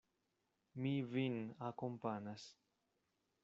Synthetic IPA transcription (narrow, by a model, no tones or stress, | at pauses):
mivinakompanas